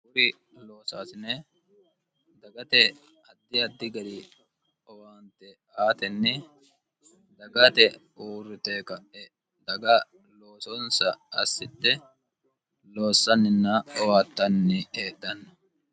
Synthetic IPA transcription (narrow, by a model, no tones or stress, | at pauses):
bʊɾɪ | loːsaːsɪne | d̪ɐɡɐt̪ɛ | ɐd̪ːɪɐd̪ːɪɡɐd̪ɪ | ɔwaːnt̪ːɛ | aːt̪ɛnːɪ | d̪ɐɡɐt̪ɛ | uːrːɪt̪eːkɐʔɛ | d̪ɐɡɐ | lo̞ːsɔnsɐɐsːɪd̪ːɛ | lo̞ːsːɐnːɪnːɐɔwaːt̪ːɐnːɪeːdːɐnːɐ